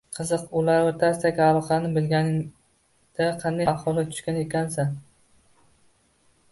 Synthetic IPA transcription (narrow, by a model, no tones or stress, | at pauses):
qʰɨzɨqʊlaɾwat̪ʰast̪akʲaalˠɒqʰɑnɪbɪlɡʲanɪŋ | d̪̥aqʰɑnd̪ajahɒlˠɪt̪ʰʊ̥ʃkʲanekʲʰansa